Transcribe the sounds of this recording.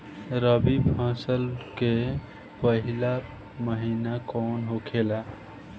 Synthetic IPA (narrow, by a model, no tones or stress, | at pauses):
ɾəbipʰãːsəlke | pəɦila | məɦinakɔnɦokʰela